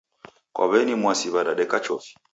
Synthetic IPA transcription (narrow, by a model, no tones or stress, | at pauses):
kʔa̰βɛnimwasiβaɗaɗɛkat͡ʃɔfi̥